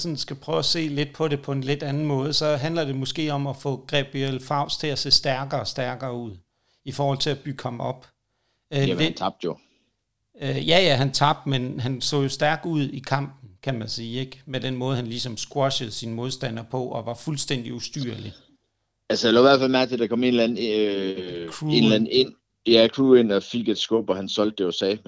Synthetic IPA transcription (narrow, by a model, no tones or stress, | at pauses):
sɒ̽nsɡ̥æpʰʁœːʊæse̝̰ːle̝d̥̚pʰɒ̽ɾe̝pʰɒ̽e̝nle̝d̥ænn̩mɔ̽ːð̞ˠəsɒ̽ɦændlɐd̥e̝mɔ̽sɡ̥e̝̰ːɒ̽mɒfɔ̰̽ːɡ̥ʁɛb̥iel̰fɑ̈ʊ̰st͡sʰe̝æse̝̰ːsd̥æɐɡ̥ɐɒsd̥æɐɡ̥ɐːuð̰ˠ | ifɒːhɒ̽l̰t͡sʰe̝læb̥yɡ̥ʰɒ̽mɒ̽b̥ | ɑb̥̚d̥jo | jæjæɦænt͡sʰɑ̈b̥̚d̥menɦænsɔ̰̽ːjo̝sd̥æɐɡ̥uð̞̰ˠikʰɑ̈m̰b̥n̩kʰæmænsiːeɡ̥med̥enmɔ̽ːð̞̩ˠhænlisɒ̽msɡ̥wɔɕəð̞̩ˠsinmo̝ð̞ˠsd̥æn̰ɐpʰɒ̽ʔɒ̽ʋɑ̈fulsd̥en̰d̥iusd̥yɐ̰li | ælsəjalæiʋæɐ̥fælmæɐɡ̥̚t͡sʰed̥ɑ̈kʰɒ̽me̝nlæn̩ | kʰʁuenlæn̩e̝n̰ | jækʰʁuːe̝n̰ɒfiɡ̥e̝d̥sɡ̥ɔ̽b̥ɒhænsɒ̽l̰d̥̚ːejosɛ̰ː